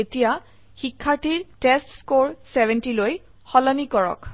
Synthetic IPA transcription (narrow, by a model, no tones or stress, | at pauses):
etija | xikʰːaɹtiɹtestskoɹsebʱɛntiloj | xɔlɔnikɔɹɔ̰k